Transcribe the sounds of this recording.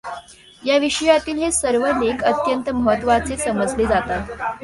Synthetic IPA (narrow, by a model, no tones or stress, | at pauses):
jaʋiʂəjat̪iːlɦesəɾʋənekət̪jənt̪əməɦət̪ːʋat͡sesəməd͡zled͡zat̪at̪